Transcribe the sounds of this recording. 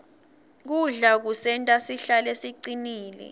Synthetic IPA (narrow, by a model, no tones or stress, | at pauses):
k̬uɮak̬usɛntʼasiɬalesiǀiniːlɛ̰